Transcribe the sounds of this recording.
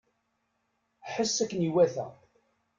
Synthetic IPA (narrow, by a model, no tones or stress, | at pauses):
ħəsːækːniwæθæ̰